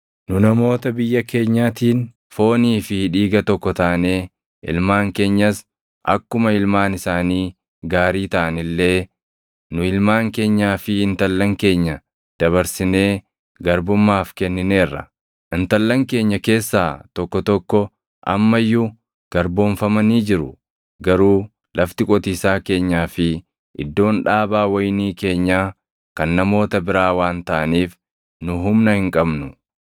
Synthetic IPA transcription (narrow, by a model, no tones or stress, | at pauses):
nʊnɐmo̞ːt̪ɐbɪjːɐke̞ːɲːaːt̪iːn | fo̞ːniːfɪᶑiːɡɐt̪ɔkːɔt̪ɐʔne̞ː | ʔɪ̰lmaːŋke̞ːɲːɐs | ʔɐ̰kːʊmɐɪlmaːnɪsaːniː | ɡaːɾiːt̪ɐʔɐnɪlːe̞ː | nʊɪlmaːŋke̞ːɲːaːfɪɪnt̪ɐlːɐŋke̞ːɲːɐ | d̪̥ɐβɐɾsɪne̞ː | ɡɐɾbʊmːaːfkɛnːɪne̞ːrːɐ̰ | ʔɪnt̪ɐlːɐŋke̞ːɲːɐke̞ːsːaːt̪ɔkːɔt̪ɔkːɔ | ʔɐ̰mːɐjːʊ | ɡ̥ɐɾbo̞ːnfɐmɐniːd͡ʒɪɾʊ | ɡɐɾuː | lʔɐft̪ɪkʼɔt̪iːsaːke̞ːɲːaːfɪ | ʔɪ̰d̪ːo̞ːnᶑaːbaːwɐjniːke̞ːɲːaː | kɐnːɐmo̞ːt̪ɐbɪɾaːwaːnt̪ɐʔɐniːf | nʊɦʊmnɐhɪŋkʼɐbnʊ